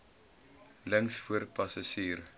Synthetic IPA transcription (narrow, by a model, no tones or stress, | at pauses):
ləŋsfuərpɐsaʃiːr